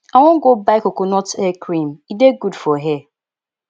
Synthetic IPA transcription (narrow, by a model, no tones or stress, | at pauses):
aŋɔŋ̩ɡobaɪkokonɔtɛkɾĩmideɡudfɔɦɛ